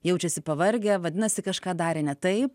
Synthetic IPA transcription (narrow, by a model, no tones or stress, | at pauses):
jɛʊt͡ʃʲɛsʲɪpɐʋɐɾʲɡʲɛʋɐd̪ʲɪnɐsʲɪkɐʃkɑːd̪ɑːɾʲɛnʲɛt̪ɐɪp